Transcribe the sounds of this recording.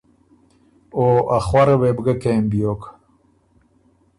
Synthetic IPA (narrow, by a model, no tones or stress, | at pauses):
oʔaxwɐɾɐweːbɡɐkeːmbijoːk